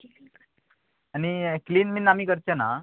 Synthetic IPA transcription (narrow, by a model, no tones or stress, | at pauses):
anikliːnminamiːkəɾt͡ɕana